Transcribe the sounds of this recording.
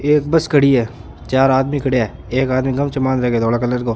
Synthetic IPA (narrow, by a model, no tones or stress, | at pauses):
eːkbɐskʰəɽiɦɛː | t͡ʃaːɾaːd̪mikʰɐɽejaɛː | eːkaːd̪miɡɐmt͡ʃʰemaːnɾɛɦɡed̪ɔːɽakɐləɾkoː